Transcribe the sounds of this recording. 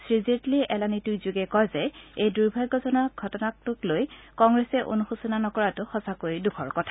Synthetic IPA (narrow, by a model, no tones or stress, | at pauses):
sɹizetliʔɛlanitujzuɡɛkɔjzɛejduɹbʱaɡɔzɔnaɡʱɔtɔnak̚tʊklojkɔŋɡɹɛsɛʔo̰nuxusunanɔkɔɹatʊxɔsakojdukʰɔɹkɔtʰḁ